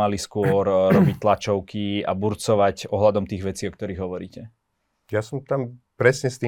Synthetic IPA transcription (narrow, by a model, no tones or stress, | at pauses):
aliskʊɔɾɾɔbic̚t̪lat͡ʃɔʊkʰia̰buɾt͡sɔʋacɔɦlad̪ɔmt̪iːɣʋɛt͡siːɔkt̪ɔɾiːɣɦɔʋɔɾiːcɛ | jasɔmt̪ampɾɛsɲɛst̪iː